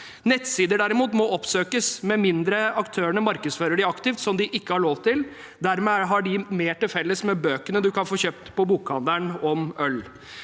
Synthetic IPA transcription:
nɛt̪ːsiːd̪əɖæɾɪmuːt̪mɔɔpsøːkəsmɛmɪnd̪ɾəɑkt̪ʰøːəɳəmɑɾkəsføːɾəɖɪɑkt̪ɪft̪sɔmd̪ɪʔɪkːəhɑɭoːʋt̪ɪl | d̪æɾmɛæɦɑɖɪmeːʈɪlfɛlːəsmɛbøːkənəd̪ʉkɑnfoːɕøːp̚t̪pʰɔbuːkɑnd̪æɳɔmœl

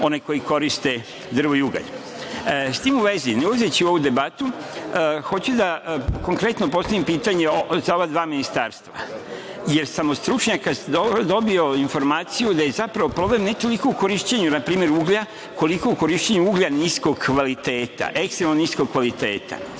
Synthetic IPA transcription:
o̞neko̞jiko̞ɾist̪e̞ | d̪r̩ʋoiuɡa̰ʎ | st̪iːmuʋe̞zineuazet͡ɕiuo̞ʋud̪e̞bat̪u | xo̞t͡ɕud̪ako̞ŋkɾe̞t̪nopo̞st̪aʋimpiːt̪aɲe̞ozao̞ʋad̪ʋaːminist̪aːɾst̪ʋa̰ | je̞ɾsamo̞st̪ɾut͡ʃɲakasd̪od̪o̞bio̞info̞ɾmaːt̪sijud̪ajezapɾaʋo̞pɾo̞ble̞mne̞t̪o̞liko̞ukoɾiʃt͡ɕeɲunapɾiːme̞ɾuːɡʎa | ko̞liko̞uko̞ɾiʃt͡ɕeɲuuːɡʎanisko̞ɡkʋalit̪e̞ːt̪a̰ʔe̞kst̪ɾemnonisko̞ɡ̚kʋalit̪e̞ːt̪a̰

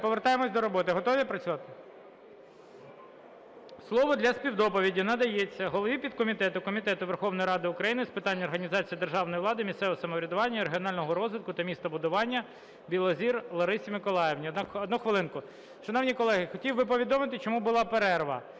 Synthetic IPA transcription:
pɔʋeɾt̪ɑjemɔsʲd̪ɔɾɔbɔt̪ɪɦɔt̪ɔʋʲipɾɐt͡sʲʊʋɑt̪ɪ | slˠɔʋɔd̪lʲɐspʲiwd̪ɔpɔʋʲidʲinɐd̪ɐjet͡sʲːɐɦɔlˠɔʋʲipʲid̪̚kɔmʲit̪ɛt̪ʊkɔmʲit̪ɛt̪ʊʋerxɔwnɔjɾɑd̪ɪʊkɾɐjinɪspɪt̪ɑnʲːɐɔrɦɐnʲizɑt͡sʲijid̪e̞rʒɑwnɔjʋlˠɑd̪ɪmʲissɛʋɔsɐmɔʋɾʲɐd̪ʊʋɑnʲːɐiɾeɦʲiɔnɑlʲnɔɦɔɾɔzʋɪt̪kʊt̪ɐmʲist̪ɐbʊd̪ʊʋɑnʲːɐ | bʲilˠɔzʲirlˠɔɾɪsʲimɪkɔlˠɑjeʋnʲid̪nkɔd̪nɔxʋɪlˠɪnkʊ | ʃɐnɔwnʲijkɔlˠɛɦɪxɔtʲiwbɪp̬ɔʋʲid̪ɔmɪt̪ɪt͡ʃɔmubʊlˠɑpeɾɛrʋɐ̰

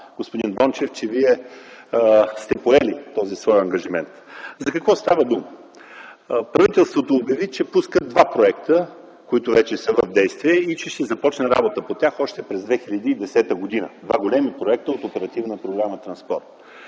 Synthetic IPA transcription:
ɡ̥ospʊd̪inbɔnt͡ʃɛft͡ʃɛviɛ | st̪ɛpoɛlit̪ɔzisvɔjɐŋɡəʒimɛ̰nt̪zɐkɐkvɔst̪avəd̪umə | pɾɐvit̪ɛlˠst̪vot̪oːbjɐvit͡ʃɛpuskəd̪vapɾoɛkt̪ə | koit̪ʊvɛt͡ʃɛsəvəvd̪ɛjst̪viɛit͡ʃɛʃt̪ɛzɐpɔt͡ʃnɛɾa̰bot̪əpot̪ʲaxɔʃt̪ɛpɾɛzd̪vɛxiʎʲɐd̪iːd̪ɛsɛt̪əɡod̪inə̰d̪vaɡolʲɛmipɾoɛk̚t̪əot̪opɛɾɐt̪ivnəpɾoɡɾamət̪ɾɐnspɔ̰ɾt̪

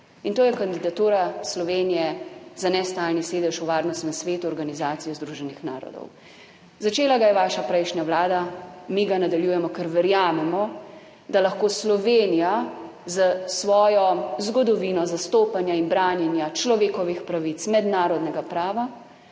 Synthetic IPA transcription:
int̪oːjɛkand̪id̪at̪uːɾaslɔʋeːnijɛzanɛst̪aːlniseːd̪ɛʃuʋaːɾnɔst̪nɛmsʋeːt̪uɔɾɡanizaːt̪sijɔzd̪ɾuːʒɛnixnaːɾɔ̰d̪ɔ̰w | zat͡ʃeːlaɡajɛʋaːʃapɾɛjʃnjaʋlaːd̪amiɡanad̪aljuːjɛmɔkɛɾʋɛɾjaːmɛmɔ | d̪alaxkoːslɔʋeːnija | zasʋɔːjɔzɡɔd̪ɔʋinɔzast̪oːpanjainbɾaːnjɛnjat͡ʃlɔʋeːkɔʋixpɾaʋit̪smɛd̪naːɾɔd̪nɛɡapɾaːʋa

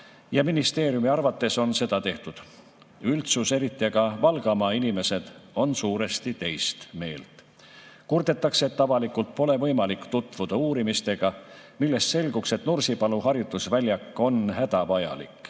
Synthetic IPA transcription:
jɑminist̪e̞ːɾjumiɑrvɑt̪ːe̞so̞nse̞d̪ɑt̪e̞ht̪ud̪̥ | ylt̪suse̞ɾit̪ːˑiɑɡɑvɑlɡ̥ɑmɑinime̞se̞d̪̥o̞nsuːɾe̞st̪it̪e̞jst̪me̞̰ːlt̪ˑ | kurd̪e̞t̪ːˑɑkseet̪ːɑvɑlikult̪̚po̞le̞vɤ̞jmɑlikːt̪ut̪ːˑvud̪̥ɑuːɾimist̪e̞ɡ̥ɑ | milːe̞st̪se̞lɡukse̞t̪nursipɑluhɑɾjud̪usvælʲjɑkːˑo̞nɦæd̪̥ɑvɑjɑ̰lḭkːˑ

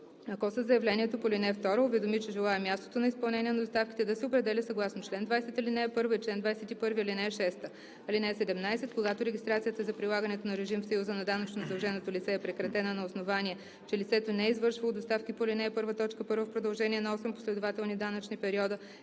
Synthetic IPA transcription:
ɐkɔsɐzɐjɐvlɛnʲiɛt̪opolʲinɛft̪ɔɾoʊvɛd̪omit͡ʃɛʒɛlˠaɛmʲjast̪o̥t̪onɐispɐlˠnɛniɛnɐd̪ost̪afkʲi̥t̪ɛd̪ɐsɛopɾɛd̪ɛlʲɛsɐɡlˠasnot͡ʃlɛnd̪vajsɛt̪ɐlinɛɛpɤɾvəit͡ʃlɛnd̪vajsɛt̪ipɤɾviɐlinɛːʃɛst̪ə | linɛːsɛd̪ɛmnajsɛt̪̚koɡat̪oɾɛɡʲist̪ɾat̪siət̪əzɐpɾilˠaɡɐnɛt̪onɐɾɛʒimfsɐjuzənɐd̪anɐt͡ʃnozɐd̪ɐlˠʒɛnot̪olʲit̪sɛːpɾɛkɾɐt̪ɛnənɐosnovaniɛ | t͡ʃɛlit̪sɛt̪onɛizvɤɾʃvɐlˠod̪ost̪afkipolʲinɛɛpɤɾvət̪ɔt͡ʃkəpɤɾvəfpɾod̪ɐlˠʒɛniɛnɐɔsɛmpo̥slɛd̪ovat̪ɛlˠnid̪anɐt͡ʃnipɛɾiɔd̪ə

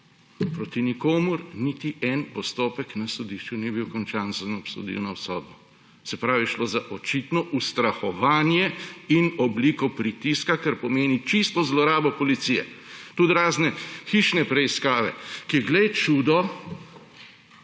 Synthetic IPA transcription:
pɾot̪inikoːmuɾnit̪iʔɛnpɔst̪oːpɛknasɔd̪iʃt͡ʃunibiwkɔnt͡ʃaːnzanɔpso̰d̪ḭwnawsɔːd̪̚bɔ | sɛpɾaːwʋiʃloːzaʔɔt͡ʃit̪nɔʔust̪ɾaxɔʋaːnjɛinɔblikɔpɾit̪iskakaɾpɔmeːnit͡ʃist̪ɔzlɔɾaːbɔpɔlit̪sijɛ̰t̪ud̪ɾaːznɛxiʃnɛpɾɛiskaːʋɛ̰kiɛɡlɛjt͡ʃud̪ɔ

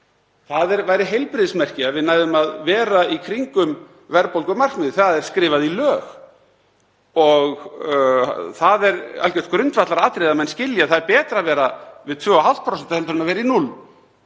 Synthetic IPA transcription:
θaðɛɾvaːjɾɪɦejlpɾɪðsmɛr̥cɪaðvɪðnaːjðʏmaðvɛːɾaikʰɾiŋkʏm | vɛɾpowlkʏmar̥knɪðʏθaðɛɾ̥skɾɪːvaðilœːɣ | ɔɣ | θaðɛɾa̰lcɛ̥t̪̚kɾʏnt̪vat̪laɾaːt̪ɾeðamɛnscɪljaθaðɛɾpɛːt̪ɾaːvɛːɾavɪðt̪ʰvœːaɦaw̪t̪pʰɾɔsɛnt̪ahɛmt̪ʏɾɪmavɛːɾainul

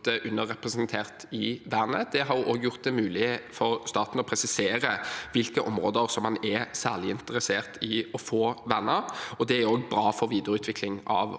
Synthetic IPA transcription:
əʔʉnːəʁɛpʁɛsnt̪ʰeːʁt̪ɪʋæːʁnəd̪̥ɛɦɑɾjʊʔoːɡjʊʁt̪̚d̪ɛmʉːlɪfɔʁst̪ɑːt̪n̩ɔpʰɾɛsɪseːɾəʋɪlkəʔɔmɾoːd̪əɾsɔmhɑnɛsæːʁlɪɪnt̪əɾəseːʁt̪ɪɔfoːʋænːəɾɔd̪ɛæɾoːɡbɾɑːfɔɾʋiːd̪əɾʉːt̪ʰʋɪklɪŋɑ̰ʋ

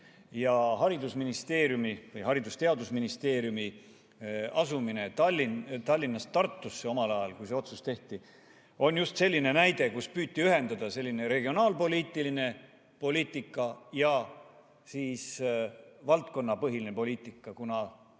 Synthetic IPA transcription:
jɑɦɑɾid̪̥usminist̪e̞ːɾjumivɤjɦɑɾid̪ust̪e̞ɑd̪usminist̪e̞ːɾjumi | ɑsumine̞t̪ɑlʲːint̪ɑlʲːinːɑst̪ɑrt̪ˑːusːe̞o̞mɑlɑjɑlkujseo̞t̪sust̪e̞ht̪i | o̞njust̪se̞lʲːine̞næjd̪̥e̞kuspyːt̪ːiyɦe̞nd̪̥ɑd̪ɑse̞lːine̞ɾe̞ɡ̥io̞nɑːlpo̞lʲiːt̪ːˑiline̞ | po̞liːt̪ːˑikːˑɑjɑ | siːs | vɑlt̪̚ko̞nːɑpɤɦilinepo̞lʲiːt̪ˑikːˑɑkunɑ

